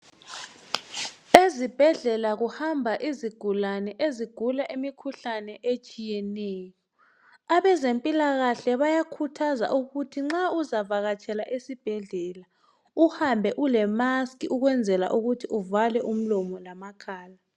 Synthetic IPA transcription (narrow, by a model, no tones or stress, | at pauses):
ezib̥ʱɛɮɛlaɣuhambʱaʔiziɡ̥ʱulanɛʔeziɡ̥ʱulaʔimikʰuɬanɛʔet͡ʃʼijɛnɛːjɔ | aβɛzempʼilaɣaɬɛβajakʰutʰaza̰ʔuɣutʰiŋ͡ǁauzavaɣat͡ʃʼɛlaʔesib̥ʱɛɮɛla | uhambʱɛʔulɛmaskiʔuɣwɛnd͡zʱɛla̰ʔuɣutʰiʔuvalɛʔum̩lɔmɔlamakʰaːla